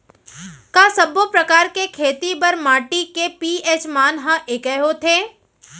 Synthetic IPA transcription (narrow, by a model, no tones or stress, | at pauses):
kaːsɐbopɾɐkaːɾkekʰeːt̪ibɐɾmaːʈikepiːeːt͡ʃmaːnɦãʔekɛɦot̪ʰeː